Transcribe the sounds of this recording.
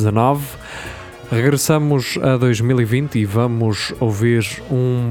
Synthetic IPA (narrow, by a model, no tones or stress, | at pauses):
zɐnɔv | ʁɨɣɾɨsɐmuzɐðojʒmilˠivĩnt̪ivɐmuʃowviɾũ